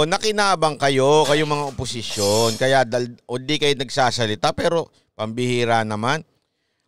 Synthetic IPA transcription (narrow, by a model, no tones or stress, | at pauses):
nɐkɪnaːbɐŋkɐjo̞kɐjoŋmɐŋaʔopʊsɪʃjonkɐjaʔd̪ɐlʔod̪ikɐjonɐɡ̚saːsɐlɪt̪apɛːɾo̞ | pɐmbɪhiːɾanɐman